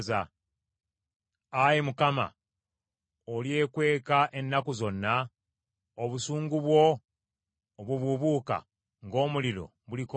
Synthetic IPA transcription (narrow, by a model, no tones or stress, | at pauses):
za | ajimukama̰ | olje̞ːkwe̞ːkaʔe̞nːakuzo̞nːa | oβusuːŋɡuβwo̞ | βuβuβuka̰ | ŋɡo̞ːmulilo̞̰ | βuliko